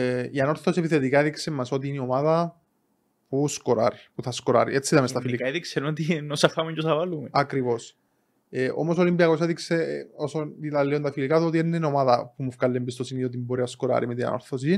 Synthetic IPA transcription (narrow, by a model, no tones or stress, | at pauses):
ianoɾθosepiθet̪ikaeðiksemːasot̪iːniomaða | puskoɾa̰ɾipuθaskoɾa̰ɾḭet͡sːiðamest̪afilikaeðiksenot̪inosafamuɲd͡ʒosavalumeakɾivos | eʔo̰mosolimbiakos̬eðikseosoit̪alːeont̪afilikat̪uot̪ienːenomaðapumːufkalːembist̪osiniot̪̬imboɾiaskoɾa̰ɾʔimit̪ia̰noɾθos̬ii